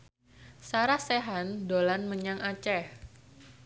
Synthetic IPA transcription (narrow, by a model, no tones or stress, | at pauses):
saɾahseɦandolanməɲaŋʔat͡ʃɛh